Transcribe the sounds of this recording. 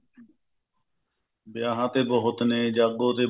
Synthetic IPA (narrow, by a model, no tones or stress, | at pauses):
bjaːɦãːt̪eːbəɦʊt̪nẽːd͡ʒaːɡõːt̪eː